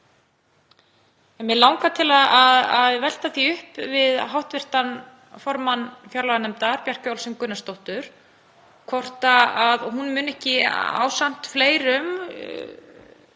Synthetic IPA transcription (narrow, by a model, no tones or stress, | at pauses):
ɛnvjɛlawŋkat̪ʰɪlaðaðaðvɛl̥t̪aθiʏhpvɪðɦawht̪vɪr̥t̪an | fɔɾmanːfjaɾlaɣanɛmt̪aɾpjar̥kʏawlsʏŋkʏnːast̪owht̪ʏɾ̥ | kʰvɔr̥t̪aaðɔhunmʏːnɛhcɪa̰ːwsan̥t̪fleːjɾʏm